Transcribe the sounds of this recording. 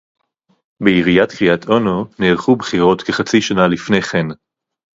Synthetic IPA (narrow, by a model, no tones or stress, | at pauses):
beiʁijatkʁijatʰʔo̞noneːʁχubχiʁo̞tkeχat͡siʃanalifnejχen